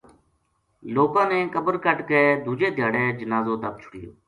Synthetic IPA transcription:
loːkãːnẽːkəbəɾkəʈkeːd̪ʱuːd͡ʒeːd̪ʱɪjaːɽeːd͡ʒənaːzoːt̪əb̚t͡ʃʰʊ̥ɽɪjo̰ː

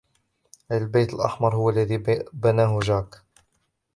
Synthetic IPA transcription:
ʔajlbejt̪əlʔɑ̰ħmɑɾˤhʊwalːaðiːbanaːɦʊʒaːk

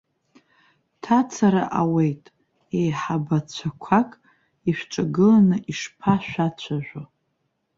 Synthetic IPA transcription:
tʰat͡sʰaɾaʔawe̞jtʼ | ejħabat͡ɕʷʰakʷʰakʼ | iʃᶣʷʈ͡ʂʼaɡɨlanɨʔiʂpʰaʃᶣʷat͡ɕʷʰaʒᶣʷa

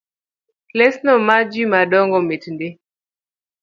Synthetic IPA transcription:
klɛsnɔmad͡ʒimadɔŋɡɔmetnde

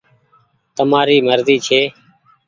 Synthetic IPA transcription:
t̪əmaːɾiːməɾziːt͡ʃʰeː

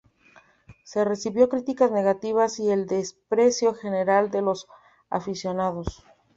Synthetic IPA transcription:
se̞re̞siβjo̞kɾit̪ikazne̞ɣat̪iβasie̞ld̪e̞spɾe̞sjo̞xe̞ne̞ɾald̪e̞lo̞s | a̰fisjo̞naðo̞s

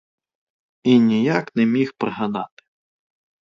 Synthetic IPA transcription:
inʲijaknɛmʲixpɾeɦanɑt̪ɪ̥

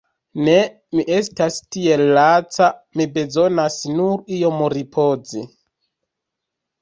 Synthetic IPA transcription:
ne̞ | miʔe̞stastie̞lːat͡samibe̞zo̞nasnuɾio̞moɾipʰo̞zi

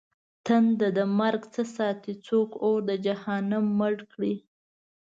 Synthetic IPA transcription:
t̪and̪ad̪əmaɾɡt͡səsɑt̪it͡sokoɾd̪əd͡ʒahɑnamːəɽkɽi

